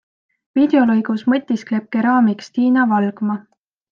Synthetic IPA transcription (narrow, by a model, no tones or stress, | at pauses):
vid̪̥e̞o̞lɤjɡ̥usmɤt̪ʲːˑiskle̞p̚keɾɑːmikst̪iːnɑvɑlɡ̥mɑ